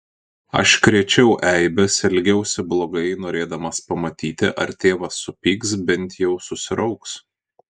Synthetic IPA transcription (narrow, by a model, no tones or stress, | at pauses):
ɐ̰ʃkɾʲɛt͡ʃʲɛʊʔɛɪbʲɛsɪlʲɡʲɛʊsʲɪblˠoːɡɐɪnoːɾʲeːd̪ɐmɐspɐmɐt̪ʲiːt̪ʲɪʔɐɾt̪ʲeːʋɐsːʊpʲiːksbʲɛnʲt̪ʲjɛʊsʊsʲɪɾʔɐʊks